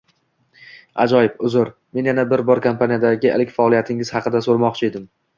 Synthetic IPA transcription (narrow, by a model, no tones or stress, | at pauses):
a̰d͡ʒɒjɪbʊzʊɾme̞njanabɪɾbɒɾkʰampʰanijad̪aɡʲɪḛlɪkʲfaɒlˠijat̪ʰɪŋɪz̥hɑqɨd̪asoɾmɒqt͡ʃʰɪe̞d̪ɪm